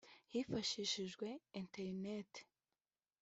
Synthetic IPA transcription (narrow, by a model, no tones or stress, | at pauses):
hiːfaʃiːʃiʒɡwe̞inteɾnete̥